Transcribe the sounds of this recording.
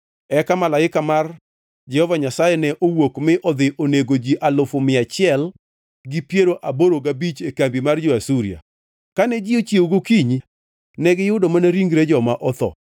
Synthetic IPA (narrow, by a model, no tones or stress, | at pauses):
ɛkamalaɪkamar | d͡ʒɛhɔvaɲasajɛnɛʔowokmɪʔɔd̪ɪʔoneɡod͡ʒiʔalʊfʊmɪat͡ʃɪɛl | ɡɪpjeɾoʔaboɾoɡabit͡ʃekambimard͡ʒoasuɾija̰ | kanɛd͡ʒɪot͡ʃjeoɡokiɲi | nɛɡɪjʊdomanaɾiŋɡɾed͡ʒɔmaʔɔt̪ɔ̰